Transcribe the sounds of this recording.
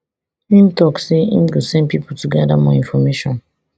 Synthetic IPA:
ĩmtɔkseḭ̃mɡusɛ̃npipʰotuɡɛdamɔĩnfɔmeʃɔ̃n

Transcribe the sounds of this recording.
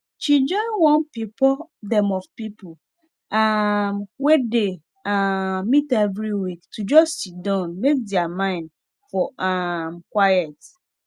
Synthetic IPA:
t͡ʃid͡ʒɔ̃ɪnwɔ̃npipʰɔdɛ̃mɔvpipʰo | amwede | aːĩtɛvɾiwiktʰud͡ʒɔssit̚dãʊ̃nmek̚dɛamãɪ̃n | fɔamkwajɛt

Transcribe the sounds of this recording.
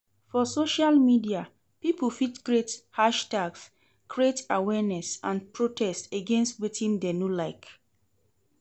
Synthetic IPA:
fɔsoʃalmidia | piplfitɡɹethaʃtaɡs | kʰɹietawɛnɛsãnpɹotʰɛsteɡẽnstwetʰĩndenulaɪk

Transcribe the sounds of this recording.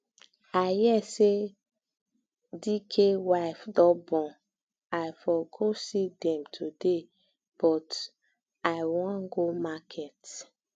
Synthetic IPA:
ajɛse | dikʰewaɪfdɔbɔ̃ | ajfɔɡosidɛ̃mtʰude | b̥ɔt | awɔ̃ŋɡomakʰɛt

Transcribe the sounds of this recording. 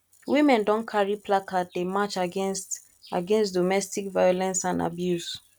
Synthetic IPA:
wimɛ̃ndɔ̃nkʰaɹipʰlakʰat̚demat͡ʃaɡst | a̰ɡɛ̃nstdɔmɛstikvajɔlɛ̃nsãnda̰bjus

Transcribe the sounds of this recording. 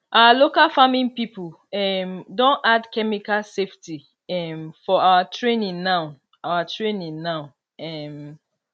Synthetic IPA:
ʔawalokalfamĩnpipul | ɛmdõnadkɛmikalsefti | ɛmfɔawatʰɹẽnĩnnaʊ | awatʰɹẽnĩnnaʊ | ɛm

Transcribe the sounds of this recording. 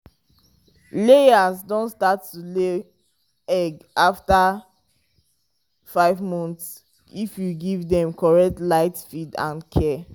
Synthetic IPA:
lejasdõntstatːule | ɛɡafta | faɪvmɔ̃nts | ifjuɡivdɛ̃mkʰɔɹɛk̚tlaɪtfidã̰nkʰɛ

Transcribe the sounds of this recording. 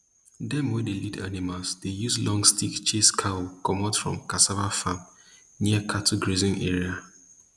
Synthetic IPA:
dɛmɔdelida̰nimalsd̥ejuzlɔ̃ŋstikt͡ʃeskʰakɔmatfɹɔ̰̃mkasavafam | niəkʰatʰuɡɹezɪ̃nʔɛ̰ɹia

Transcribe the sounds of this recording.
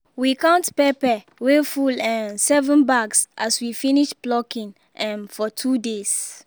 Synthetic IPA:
wikãʊntpɛpɛ | wefulɛ̃nsɛvə̃nbaɡsʔaswifĩniʃblɔkĩn | ɛ̃mfɔtʰudes

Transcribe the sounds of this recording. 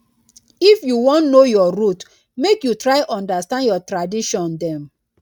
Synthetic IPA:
ifjuwɔ̃nnojɔɾut | mekjutɹaɪʔɔ̃ndastãndjɔtɹadiʃɔ̃ndɛ̃m

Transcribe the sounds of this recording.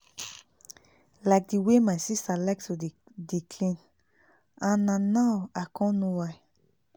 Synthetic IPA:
laɪk̚diwemaɪsistalaɪk̚tʰu | dikʰlĩn | ãnãnawakʰɔ̃nuwaj

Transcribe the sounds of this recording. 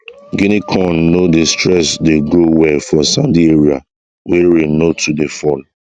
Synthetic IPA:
ɡinikʰɔ̃nːodestɹɛsdeɡɹowɛfɔ̃sãndieɹia | weɹĩnotʰudefɔl

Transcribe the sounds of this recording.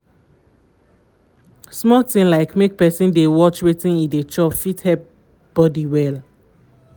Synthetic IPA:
smɔtĩnlaɪkmek̚pɛsĩndewɔt͡ʃwetĩnĩdet͡ʃɔpfithɛp̚ | b̥ɔdiwɛl

